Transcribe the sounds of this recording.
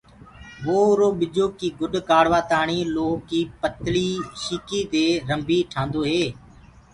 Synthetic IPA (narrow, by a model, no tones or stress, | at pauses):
ʋoːɾoːɓɪd͡ʒoːkiːɡʊɗkaːɽʋaːt̪aːɳiːloːɦkiːpət̪liːʃiːkiːd̪eːɾəmbiːʈʰãːnd̪oːɦeː